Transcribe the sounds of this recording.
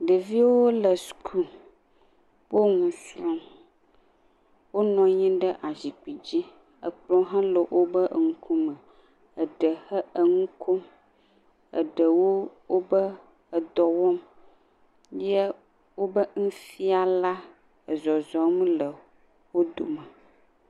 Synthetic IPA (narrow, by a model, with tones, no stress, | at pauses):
ɖə˨vi˦wo˦lə˨skʰu˦ | wo˦ŋũ˨sɾɔ̃˦m | wo˦nɔ̃˨ɲĩ˦ɖə˦ʔa˨zi˨k͡pi˨d͡ʑi˦ | ə̰˨k͡plɔ̃˦ɦã˦lə˨wʔo˦bə˦ʔŋu˦kʰu˦mə̃˨ | ə˨ɖə˨hə˦ə˨ŋũ˦kʰo˦m | ə̰˨ɖə˨wo˦wo˦bə˦ | ə˨d̪ɔ˨wɔ˦m | je˦ | wo˦bə˦ŋũ˦fi˦a˨la˦ | ə˨zɔ˨zɔ˨m̃˦lə˨ | wo˦d̪o̰˨mə˨